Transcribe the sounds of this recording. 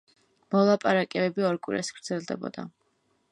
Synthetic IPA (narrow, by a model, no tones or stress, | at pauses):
mɔlˠapʼaɾakʼɛbɛbiɔɾkʼḭɾa̰sɡɾd̪zɛlˠd̪ɛbɔ̰d̪̥a̰